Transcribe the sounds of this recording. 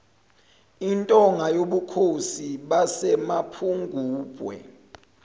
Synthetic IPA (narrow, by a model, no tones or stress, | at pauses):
intʼɔŋajoɓukʰosiɓasɛmapʰuŋɡʱuːb̥ʱwɛ̰